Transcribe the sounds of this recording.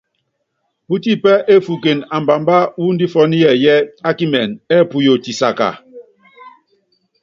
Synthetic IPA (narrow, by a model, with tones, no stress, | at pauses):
pu˦ti˦pɛ˦ʔe˦fu˨ke˨na˨mba˨mba˦wu˦n˦di˦fɔ˦ni˦jɛ˦˨jɛ˦a˦ki˦mɛ˨nɛ˦˨pu˨jo˨ti˨sa̰˨ka̰˨